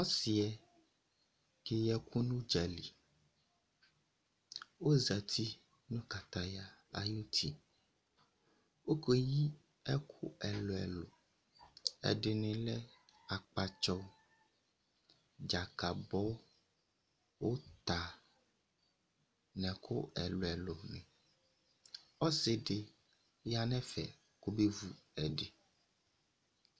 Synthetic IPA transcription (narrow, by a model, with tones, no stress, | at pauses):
ɔ˦si˨ɛ˨ | ke˨jɛ˦ku˦nũ˦d͡ʒɛ˨li˨ | wo˦zɛ˨t̪ʰi˦ | nũ˦ka˨t̪a˨ja˨a˨ju˦t̪ʰi˨ | wo˦ke˦ji˦ | ɛ˦kʰu˦ɛ˨lo˨ɛ̰˨lo˨ | ɛ̰˨ɖɪ˨nĩ˨lɛ˦a˨k͡pa˨t͡ʃɔ˦ | d͡ʒa˨ka˨bɔ˦ | wo˦t̪a˨ | nɛ̃˨kʰo˦ɛ˨lo˨ɛ˨lo˨nɛ̰̃˨ | ɔ˦se˨ɖe˨ | ja˨nɛ̃˦fɛ̰˨ | ko˦be˦vu˦ɛ˨ɖe˨